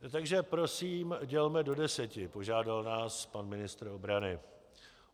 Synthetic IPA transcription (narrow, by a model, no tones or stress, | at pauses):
t̪aɡʒɛpɾo̞siːmɟɛlmɛdo̞dɛsɛcɪpo̞ʒaːdalnaːspanmɪnɪst̪ɾ̩o̞bɾanɪ